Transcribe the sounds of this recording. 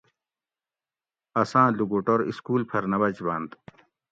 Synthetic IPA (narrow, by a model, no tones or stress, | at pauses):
ɐsãːluɡoːʈoɾḭskuːlpʰɐɾnɐbɐd͡ʑbãːnd̪